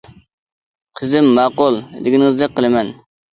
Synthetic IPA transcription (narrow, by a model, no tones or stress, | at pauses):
qʰəzɪmːɑːqʊlˠd̪ɪɡʲinŋɨzd̪ɛqʰːəlˠɨmɛn